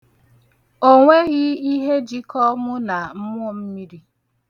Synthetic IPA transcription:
o˦ŋʷe˦ɣɪ˦i˦ɦe˦d͡ʒi˦kɔ˦mʊ˦na˨m̩˦mʷ˦ʊ˦m̩˦mi˦ɾi˦

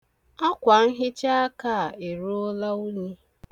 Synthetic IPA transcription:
a˦kʷa˨n̩˦ɦɪ˦t͡ʃa˦a˦ka˦˨e˨ɾo˦o˦la˦u˦ɲe˦

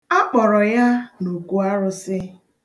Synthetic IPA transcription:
a˦k͡pɔ˨ɾɔ˨ja˦no˨ku˦a˦ɾʊ˦sɪ˦

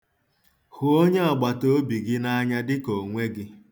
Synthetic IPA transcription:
hʊ˨o˦ɲe˦ɔ˨ɡ͡ba˨to˦bi˨ɡɪ˦na˦ɲa˦dɪ˦ko˨ŋʷe˦ɡɪ˦

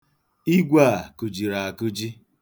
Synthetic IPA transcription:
i˦ɡʷa˦˨ku˨d͡ʒi˨ɾa˨a˨ku˦d͡ʒi˦

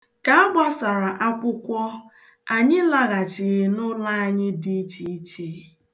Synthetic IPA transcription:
ka˨a˦ɡ͡ba˦sa˨ɾa˨ʔa˦kʷʊ˦kʷɔ˦ | a˨ɲɪ˦la˦ɣa˨t͡ʃi˨ɾi˨nʊ˦la˦a˨ɲɪ˦di˦t͡ʃi˦t͡ʃe˦

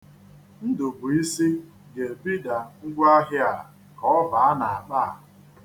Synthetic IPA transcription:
n̩˦dʊ˨bʊ˨i˦si˦ | ɡe˨bi˦da˨ŋ̩˦ɡʷa˦ɦɪ˦a˨ | kɔ˨˦ɔ˦va˨a˦na˨a˨ba˦a̰˨

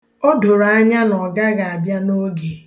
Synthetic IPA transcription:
o˦do˨ɾa˨a˦ɲa˦nɔ˨ɡa˦ɡa˨a˨bja˦no˦ɡe˨

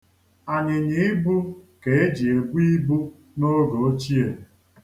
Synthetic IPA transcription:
a˨ɲɪ˨ɲɪ˨˦ɪ˦bu˦ke˨e˦d͡ʒi˨e˨bu˦i˦bu˦ | no˦ɡo˨o˦t͡ʃi˦e˨

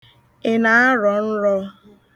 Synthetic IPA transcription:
ɪ˨na˨˦a˦ɾɔ˨n̩˦ɾɔ˦

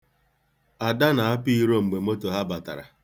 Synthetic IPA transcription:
a˨da˦na˨a˦pi˦ɾo˦ŋ͡m̩˨ɡ͡be˨m̩˦o˦to˨ɦa˦ba˨ta̰˨ɾa̰˨

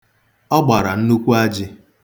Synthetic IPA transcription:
ɔ˦ɡ͡ba˨ɾa˨n̩˦nu˦kʷu˦a˦d͡ʒɪ˦

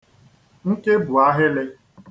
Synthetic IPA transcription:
ŋ̩˦ke˦bʊ˨a˦ɦɪ˦lɪ˦

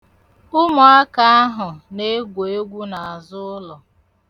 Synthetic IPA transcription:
ʊ˦mʊ˨a˦ka˨a˦ɦʊ˨ne˦ɡʷe˨e˦ɡʷu˦na˨a˨zʊ˦ʊ˦lɔ˨

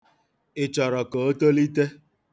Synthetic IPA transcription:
ɪ˨t͡ʃɔ˨ɾɔ˨ko˨o˦to˦li˦te˦

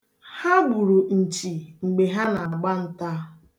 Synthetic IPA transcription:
ha˦ɡ͡bu˨ɾu˨n̩˨t͡ʃi˨ŋ͡m̩˨ɡ͡be˨ɦa˦na˨a˨ɡ͡ba˦n̩˦ta˦

